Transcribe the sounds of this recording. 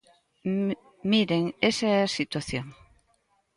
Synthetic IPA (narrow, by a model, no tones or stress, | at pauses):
miɾeŋesaɛsit̪waθjoŋ